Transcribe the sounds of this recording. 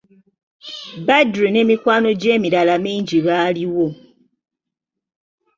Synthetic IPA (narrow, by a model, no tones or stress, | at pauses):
badɾine̞mikwaːno̞ɟe̞ːmilalamiːɲɟiβaliwo̞